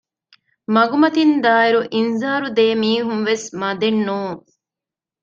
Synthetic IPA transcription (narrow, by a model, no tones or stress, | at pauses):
mɐɡumɐt̪ind̪aːiɾuʔinzaːɾud̪eːmiːɦunʋesmɐd̪enːuːŋ